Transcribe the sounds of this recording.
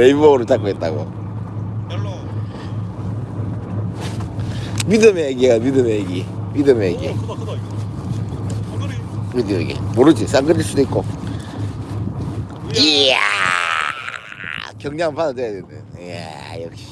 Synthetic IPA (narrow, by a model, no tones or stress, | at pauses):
eboɡɯɾɯɭt͡ɕ͈ak͈oɦet̚t͈aɡo̰ | midɯmeeɡiɡamidɯmejɡimidɯmeɡi | idɯḭɡḛmoɾɯd͡ʑis͈aŋɡɯdʰiɭs͈udoitk͈o | ea | kjʌŋɲanpadadejadwenɯnja̰ | jʌkɕi̥